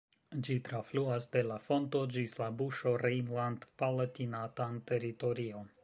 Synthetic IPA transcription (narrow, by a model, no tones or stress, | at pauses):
d͡ʒitɾafluasde̞lafo̞nto̞d͡ʒislabuʃo̞ɾejnlandpalatinatante̞ɾito̞ɾio̞